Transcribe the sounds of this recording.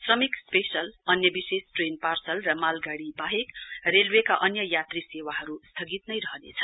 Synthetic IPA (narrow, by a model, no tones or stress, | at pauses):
srʌmikspesʌlʌnjʌbisesʈrenparsʌlrʌmalɡaɽibaɦekrelwekaʔʌnjʌjat̪risewaɦʌɾust̪ʰʌɡit̪nʌjɾʌɦʌnḛt͡sʰʌ̥